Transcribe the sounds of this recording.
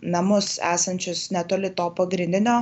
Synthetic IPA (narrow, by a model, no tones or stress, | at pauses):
nɐmʊsæ̰ːsɐnʲt͡ʃʲʊsnʲɛt̪oːlʲɪt̪oːpɐɡɾʲɪnʲd̪ʲɪnʲoː